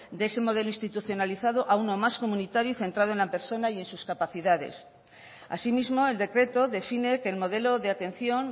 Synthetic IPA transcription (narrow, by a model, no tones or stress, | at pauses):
d̪eese̞mo̞ðe̞loĩnst̪it̪uθjo̞naliθað̞oʔaunomasko̞mũnit̪aɾjuθe̞nt̪ɾað̞oe̞nlape̞ɾso̞naje̞nsuskapaθiðaðe̞̰s | a̰simizmo̞e̞ld̪e̞kɾe̞t̪o̞ðe̞fine̞ke̞ːlmo̞ð̞e̞lo̞ðeat̪e̞nθjo̞ŋ